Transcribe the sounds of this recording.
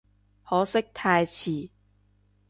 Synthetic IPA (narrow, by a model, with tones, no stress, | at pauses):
hɔː˨˥sɪ˥k̚t̪ʰaː˧jt͡sʰiː˨˩